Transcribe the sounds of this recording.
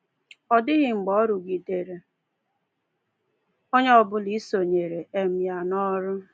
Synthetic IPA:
ɔ˨dɪ˦ɣɪ˨ŋ͡m̩˨ɡ͡bɔ˦ɾʊ˨ɡi˨de˨ɾe˨ | o˦ɲe˦ɔ˨bʊ˦li˦so˨ɲe˨ɾe˨e˨m̩˨ja˨nɔ˦ɾʊ˦

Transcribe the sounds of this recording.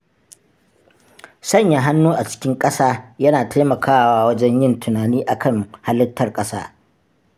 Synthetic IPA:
sɐ˦˨ɲja˨ɦa˦nːuː˦ʔa˨t͡ʃɪ̥˦kʲɪ˦ŋkʼɐ˦saː˦jɐ˦naː˨tʰa˦mɐ˨kʰaː˦waː˦wɐ˦d͡ʒɛ˦ɲjɪ˦ntʰʊ˨naː˨niː˦ʔa˨kʰɐ˦˨ŋha˦lɐ˦tʰːɐ˨rkʼɐ˦sa̰ː˦

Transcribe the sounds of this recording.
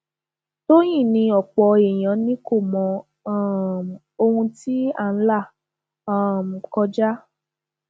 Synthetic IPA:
to˦j̃ĩ˦˨nĩ˧ɔ˨k͡pɔ˧e˨j̃ã˨˦nĩ˦ko˦˨mɔ̃˨˧˦ | o˧hũ˧ti˦a̰˦˨n̩˦la˦˨ | ã˦˨m̩˨kɔ˧d͡ʒa˦

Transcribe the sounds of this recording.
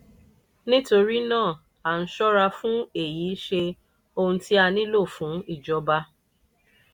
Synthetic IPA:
nĩ˦to˧ɾi˦nãː˦˨ | a˨n̩˦ʃɔ˦ɾa˧fũ˦e˨ji˨˦ʃe˧ | o˧hũ˧ti˦a˧nĩ˦lo˦˨fũ˨˦i˦˨d͡ʒɔ˨˧ba˧˦

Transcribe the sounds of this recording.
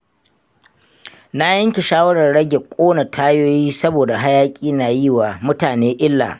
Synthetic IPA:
na˦jɐ˦ŋkʲɪ˨ʃaː˦wɐ˦ɽɐ˨rɽɐ˦ɡʲe˨kʷʼoː˦na˨tʰaː˦joː˦jiː˦sɐ˦boː˨da˨ɦa˦jaː˦kʲʼiː˦naː˨ji˦waː˨mʊ˦taː˨neː˦ʔɪ˦lːa̰ː˨

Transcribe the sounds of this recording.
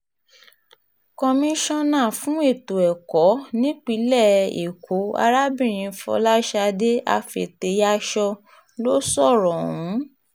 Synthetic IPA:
kɔ˧mĩ˧ʃɔ̃˦nãː˦˨fũ˨˦e˦˨to˨ɛ˨kɔ˨˦nĩ˦k͡pi˨˧˦lɛ˦˨ḛ˨kʰo˨˦a̰˧ɾa˦bĩ˦˨ɾ̃ĩ˨˧fɔ̰˧˦la˦ʃa˧de˦a̰˧fḛ˨te˧ja˧˦ʃɔ˧ | lo˦sɔ˦˨ɾɔ̃˨ũ˨˦

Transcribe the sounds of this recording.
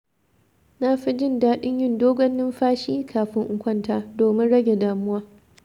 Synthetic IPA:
na˦ɸi˦d͡ʒɪ˦˨ndaː˦ɗɪ˦ɲjɪ˦ndoː˦ɡʷɔ˦nːɪ˦mɸaː˦ʃiː˦kʰaː˨ɸɪ˦ŋʔʊ˦˨kʷɐ˦˨ntaː˦doː˨mɪ˦nɽɐ˦ɡʲe˨daː˨mʊ˦waː˦

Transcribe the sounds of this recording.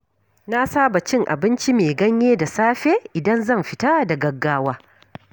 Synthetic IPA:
na˦saː˦ba˨t͡ʃɪ˦ŋʔa̰˨bɪ˦nt͡ʃi˦meː˨ɡɐ˦ɲjeː˦da˨saː˦ɸeː˦ʔɪ˨dɐ˦nzɐ˦˨mɸɪ˦ta˦da˨ɡɐ˨ɡːaː˦waː˦

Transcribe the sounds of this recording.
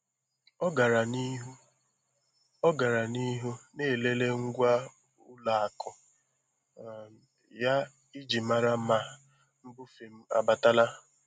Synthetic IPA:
ɔ˦ɡa˨ɾa˨ni˦ɦ | ɔ˦ɡa˨ɾa˨ni˦ɦu˦ne˦˨le˦le˦ŋ̩˦ɡʷa˦ | ʊ˦la˨a˨kʊ˨ | ja˦ | i˦d͡ʒi˨ma˨ɾa˦ma˦ | m̩˦bʊ˦fe˨m̩˦a̰˨ba˨ta˦la˦

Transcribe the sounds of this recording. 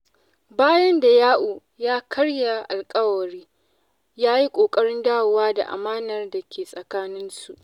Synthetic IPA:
baː˦jɐ˦nda˨jaː˦ʔuː˨ | jaː˦kʰɐ˦ɽja˨ʔa˨lkʼɐ˦wɐ˨ɾiː˦ | jaː˦ji˦kʷʼoː˨kʼɐ˦ɽɪ˦ndaː˦wʊ˨waː˦da̰˨ʔa̰˨maː˦nɐ˨rda˨kʲeː˨sʼɐ˨kaː˦nɪ˦nsu˨ʔ

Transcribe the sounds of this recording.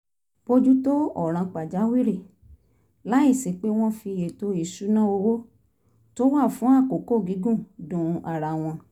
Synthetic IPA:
bo˧d͡ʒu˦to˦ɔ˨ɾ̃ã˧k͡pa˨d͡ʒa˨˦wi˦ɾi˦˨ | la˨˦i˦˨si˨k͡pe˦w̃ɔ̃˦fi˧je˨to˦i˦˨su˨˦nã˦o˧wo˦ | to˦wa˦˨fũ˨˦a˦˨ko˨ko˦˨ɡi˨˦ɡũ˦˨dũ˨˦a˨ɾa˨w̃ɔ̃˧

